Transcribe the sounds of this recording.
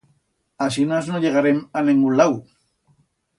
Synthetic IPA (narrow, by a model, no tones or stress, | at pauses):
as̬inaznoʎe̞ɣ̞aɾemaneŋɡulaw